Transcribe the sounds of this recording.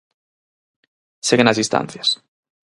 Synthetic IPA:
seɣenazðist̪a̰n̟θjas

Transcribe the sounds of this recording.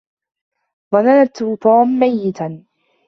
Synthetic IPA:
ðˤɑnanat̪ːt̪ˤɑːmːajːɪt̪an

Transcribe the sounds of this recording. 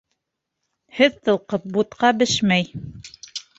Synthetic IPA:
hɘðt̪ɤ̆lˠqɤp̚but̪qɑbɘʃmæj

